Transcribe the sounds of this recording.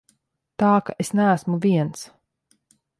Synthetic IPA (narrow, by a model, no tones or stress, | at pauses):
t̪aːkaʔesnæːsmuviɛns